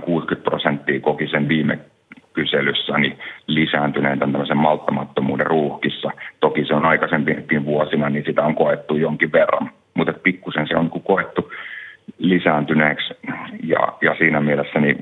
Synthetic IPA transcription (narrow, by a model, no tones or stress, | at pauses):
kuːskyt̪̚pro̰sent̪ːiːkokisenʋiːmḛ | kyselysːænilisæːnt̪yneːnt̪ænt̪æmːøsemmɑlt̪ːɑmɑt̪ːomṵːderruːhkisːɑt̪okiseonɑikɑsempikːiʋʋuosinɑninsit̪æoŋkoet̪ːujoŋkiʋʋerːɑ̰n | mut̪et̪̚pikːusensḛo̰niŋkukoet̪ːu | lisæːnt̪yneːksjɑ̰jɑsiːnæmielesːæni